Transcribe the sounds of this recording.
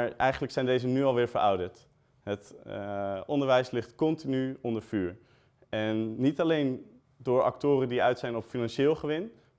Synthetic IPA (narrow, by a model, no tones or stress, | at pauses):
ɹʔɛjχənləksɛjndejzənyɑlˠʋɪːɹvəɹʔɑwdəɹt | ɦət | ɔndəɹʋɛjslɪχtkɔntinyɔndəɹvyːɹ | ɛnːitɑlejn | dʊːɹʔɑ̰ktʊːrəndiœɥtsɛjnɔpfinɑnʃɪːlˠχəʋɪn